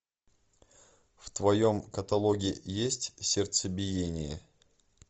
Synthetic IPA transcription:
ft̪vɐjo̞mkət̪ɐlˠoɡʲɪjesʲtʲsʲɪrt̪səbʲɪjenʲɪjə

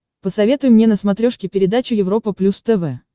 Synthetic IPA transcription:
pəsɐvʲe̞t̪ʊjʊmnʲenəsmɐt̪ɾʲo̞ʂkʲɪpʲɪɾʲɪd̪at͡ɕʊjɪvɾo̞pəplʲust̪ɛvɛ

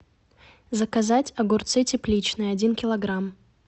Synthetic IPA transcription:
zəkɐzatʲɐɡʊrt̪sɨtʲɪplʲit͡ɕnɨjɐdʲinkʲɪlˠɐɡɾam

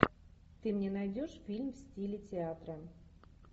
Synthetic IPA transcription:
t̪ɨmnʲenajdʲoʂfʲilʲmfsʲtʲilʲɪtʲɪat̪ɾə

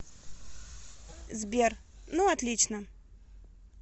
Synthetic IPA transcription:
zbʲernuɐt̪lʲit͡ɕnə

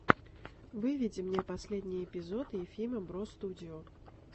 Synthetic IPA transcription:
vɨvʲid͡zʲimnʲɛpasʲlʲed̪ʲnʲiɛpʲizɔt̪ɨfʲilʲmɐbɾɔst̪ud͡zʲijɔ

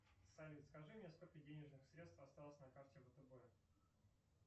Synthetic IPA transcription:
sɐlʲit̪skɐʐɨmʲɛsko̞lʲkədʲenʲɪʐnɨxsɾʲet̪st̪fɐst̪alˠəsʲnɐkartʲɪvət̪əbɛ

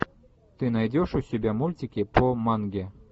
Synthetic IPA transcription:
t̪ɨnɑjd̪ʲoʃusʲebʲæmulʲtʲikʲepomɑŋɡʲe

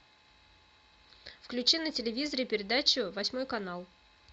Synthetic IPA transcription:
fklʲʉt͡ɕinətʲɪlʲɪvʲizəɾəipʲɪɾʲɪd̪at͡ɕʊvɐsʲmo̞jkɐnalˠ

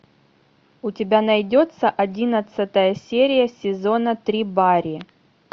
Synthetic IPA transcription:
ʊtʲɪbʲanɐjdʲo̞t̪səʔɐdʲinət̪sɨt̪əjəsʲeɾʲɪjəsʲɪzo̞nət̪ɾʲibaɾʲɪ

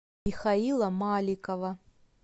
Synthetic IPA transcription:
ixailˠɐmalʲikɐvɐ

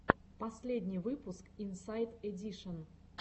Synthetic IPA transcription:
pɐsʲlʲedʲnʲijvɨpʊskinsajt̪ɛdʲiʂən

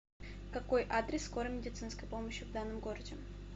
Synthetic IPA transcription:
kɐko̞jʔad̪ɾʲɪsːko̞ɾəmʲɪdʲɪt̪sɨnskəjpo̞məɕjɪvd̪anːɨmɡo̞ɾədʲɪ

